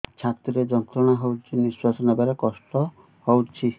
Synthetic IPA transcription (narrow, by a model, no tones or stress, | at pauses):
t͡ʃʰat̪ɾiɾed͡ʒɔnt̪ɾɔɽ̃aɦowt͡ʃʰiniswasɔnabaɾekɔsʈɔ | howt͡ʃʰi